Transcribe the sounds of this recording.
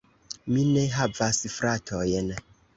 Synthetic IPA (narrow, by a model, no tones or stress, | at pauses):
mineɦavasfɾatʰojen